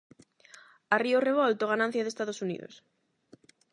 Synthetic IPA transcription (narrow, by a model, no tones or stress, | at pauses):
arioreβ̞ɔlt̪oɣ̞anãn̟θjaðest̪aðosunḭðo̰s